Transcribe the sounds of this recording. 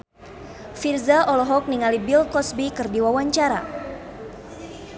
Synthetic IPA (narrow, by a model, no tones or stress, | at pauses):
firzaʔɔlɔɦɔk̚niŋalibilkɔsbikɨrdiwawaɲt͡ʃaɾa̰